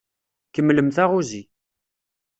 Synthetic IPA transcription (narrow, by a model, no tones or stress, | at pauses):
kəmːləmθaʁuzi